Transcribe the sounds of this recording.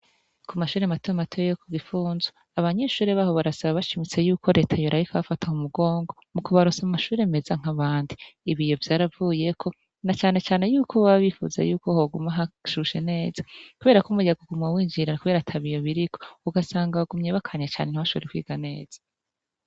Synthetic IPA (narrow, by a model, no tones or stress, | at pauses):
kʰumaʃuːɾematomatʰojejokʰuɡifuːnzwa | aβaɲe̞ʃuːɾeβaːho̞βaɾasaβaβaʃimit͡se̞juːko̞ɾe̞ːtʰajoɾaβikʰaβafatʰaumuɡo̞ːŋɡo̞mukuβaɾusamumaʃuːɾe̞me̞zaŋ̥aβaːndiːβijo̞vjaːɾavuje̞kʰo̞ | nat͡ʃaːne̞t͡ʃaːne̞juːkʰoβaβifṵza̰juːko̞hoɡumaɦaʃuʃe̞ne̞ːzḁkuβe̞ːɾakumujaɡoɡumŋawiːɲd͡ʒiɾeakuβe̞ːɾatʰaβijo̞βiɾikʰouɡasaːŋɡaɡumɲeːβakʰaɲat͡ʃa̰ːneniβaʃoβeɾekwḭːɡane̞̰ːz̥ḁ